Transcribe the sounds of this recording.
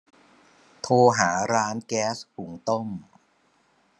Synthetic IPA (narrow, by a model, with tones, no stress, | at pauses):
t̪ʰoː˧ɦaː˩˦ɾaː˦˥nkɛː˦˥shu˨˩˦ŋt̪o˥˩m